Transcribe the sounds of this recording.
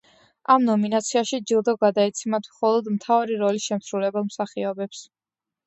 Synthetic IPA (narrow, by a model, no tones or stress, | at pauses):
amnɔminat̪sʰiaʃid͡ʒilˠd̪ɔɡad̪aɛt̪sʰimat̪ʰmχɔlˠɔd̪mt̪ʰavaɾiɾɔlisʃɛmsɾulɛbamsaχiɔbɛps